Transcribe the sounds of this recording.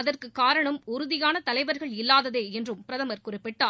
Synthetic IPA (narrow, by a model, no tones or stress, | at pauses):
ɐðɐrkɯkːaːɾɐɳɐmʊɾʊðɪjaːnɐt̪ɐlɐɪʋɐɾɣɐɭɪlːaːðɐðeːɛndrɯmpɪɾɐðɐmɐɾkʊrɪpːɪʈːaː